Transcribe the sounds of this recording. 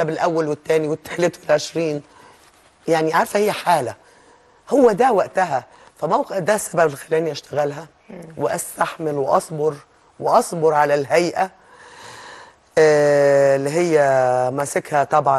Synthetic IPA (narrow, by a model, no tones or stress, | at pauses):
æbelʔæwːælwet̪ːæːniwet̪ːe̥ħlet̪welʕeʃɾiːn | jaʕniʕaɾˤfæhɪjːæħaːlæ | howːæd̪æwæʔt̪æɦæ | fæmæwqed̪æsːæbæbelxælæːniʔæʃt̪æɣælɦæ | weʔæst̪aħmelweʔɑsˤboɾ | weʔɑsˤboɾˤʕalælɦæjʔæ | lːiɦejːæmæsekhæt̪ˤɑbʕɑn